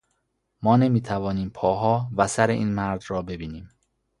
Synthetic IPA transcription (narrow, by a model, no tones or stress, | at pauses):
mɒːne̞miːt̪ʰævɒːniːmpʰɒːɦɒːvæsæɾeʔḭːnmæɾd̪ɾɒːbe̞biːniːm